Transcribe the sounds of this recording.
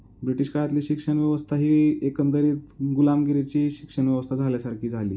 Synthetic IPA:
bɾiʈiɕkaɭat̪liːɕikʂəɳʋjəʋəst̪ʰaɦiːekənd̪əɾiːt̪ɡulamɡiɾet͡ɕiːɕikʂəɳʋjəʋəst̪ʰad͡zʱaljasaɾkʰiːd͡zʱalḭː

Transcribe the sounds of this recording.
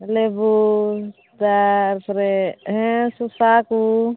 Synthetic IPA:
lebu | t̪aɾpɾeɦẽsusaku

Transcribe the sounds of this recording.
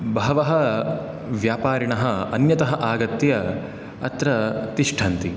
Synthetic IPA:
bɐɦɐʋɐɦɐ | ʋjaːpaːɾiɳɐɦɐɐnjɐt̪ɐɦɐʔaːɡɐt̪jɐ | ɐt̪ɾɐt̪iʂʈʰɐnt̪i

